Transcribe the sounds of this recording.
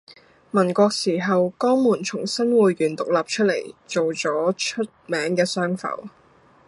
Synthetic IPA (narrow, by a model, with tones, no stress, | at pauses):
mɐ˨˩nkʷɔː˧k̚siː˨˩ɦɐ˨wkɔː˥ŋmuː˨˩nt͡ʃʰʊ˨˩ŋsɐ˥nwuː˨jːyː˨˩nt̪ʊ˨k̚laː˨p̚t͡ʃʰɵ˥t̚le˨˩jt͡ʃo˨wt͡sɔː˨˥t͡ʃʰɵ˥t̚mɛː˨˥ŋkɛː˧sœː˥ŋfɐ̰˨˧˩w